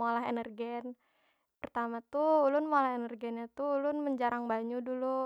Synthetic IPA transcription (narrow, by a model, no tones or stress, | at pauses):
olaɦḛnərɡɛn | pərt̪amat̪ulʊnmolahenərɡɛnɲat̪ulʊnməɲd͡ʒaɾaŋbaɲudulu